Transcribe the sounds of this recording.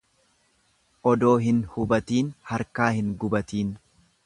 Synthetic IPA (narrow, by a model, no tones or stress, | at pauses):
ʔɔd̪o̞ːɦɪnhʊbɐt̪iːnhɐɾkaːhɪŋɡʊbɐt̪iːn